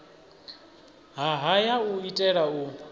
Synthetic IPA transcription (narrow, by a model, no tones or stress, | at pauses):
ɦaɦajauitʼɛɺau